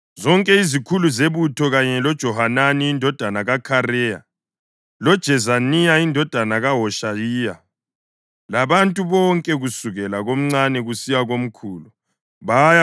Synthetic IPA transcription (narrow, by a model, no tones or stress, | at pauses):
zɔŋkʼɛizikʰuluzeβutʰɔɣaɲɛlɔd̥ʒ̥ʱɔɦananiindʱɔd̥ʱanaɣakʰaɾɛːja̰ | lɔd̥ʒ̥ʱɛzanijaindʱɔd̥ʱanaɣaɦɔʃajiːja | laβantʼuβɔŋkʼɛɣusuɣɛlaɣom̩ŋ͡ǀanɛɣusijaɣom̩kʰuːlu | βaja